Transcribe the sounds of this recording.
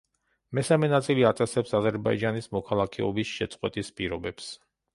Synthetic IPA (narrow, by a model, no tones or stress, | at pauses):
mɛsamɛnat̪sʼiliat̪ʼɛsɛpsazɛɾbaid͡ʒanismɔkʰalˠakʰɛɔbisʃɛt̪sʼqʼwɛt̪ʼispʼiɾɔbɛps